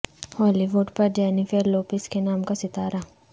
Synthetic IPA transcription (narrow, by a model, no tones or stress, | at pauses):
hɔːliʋʊɖpɐɾd͡ʒɛːnifeɾloːpɪskenaːmkasɪt̪aːɾa